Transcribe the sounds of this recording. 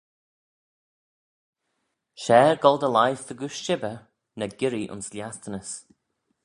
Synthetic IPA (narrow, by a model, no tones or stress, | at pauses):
ʃɛːɹɡɔlˠd̪əlajfðəɡuʃʃɪbə | nəɡɪɾiʔʊ̰nsljastənəs